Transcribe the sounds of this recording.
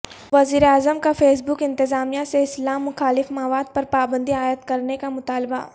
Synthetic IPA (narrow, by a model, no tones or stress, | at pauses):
ʋɐziːɾeaːzəmkafeːs̬bʊkɪ̃nt̪ɪzaːmijaseɪslaːmːʊxaːlɪfmɐʋaːd̪̚pɐɾpaːbə̃nd̪iaːjəd̪kɐɾnekamʊt̪aːlba̰